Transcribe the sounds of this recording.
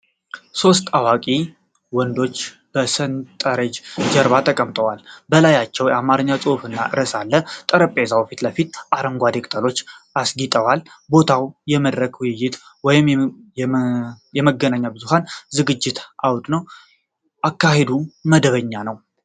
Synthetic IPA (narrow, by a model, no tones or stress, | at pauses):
so̞st̪ʼawakʼi | wɔnd̪o̞t͡ʃː | b̥əsɨnt̪ʼəɾəd͡ʒd͡ʒəɾβat̪ʰəkʼəmt̪ʼəwalbəlajat͡ʃːɛwjamaɾɨɲːat͡sʼɨhfɨnːa̰ʔɨɾəsalːət̪ʼəɾəpʼezawfit̪ləfit̪ʔaɾəŋɡʷad̪ekʼt̪ʼəlo̞t͡ʃːasɡit̪ʼəwalbo̞t̪ʰawjɛməd̪ɾəkʰwʊjɪjːɪt̪wɔjɪm | jɛməɡːənaɲːabɨzuɦanzɨɡɨd͡ʒːɪt̪ʰʔawt̪ʼnəw | ʔakːahe̞d̪uməd̪əβəɲːanəw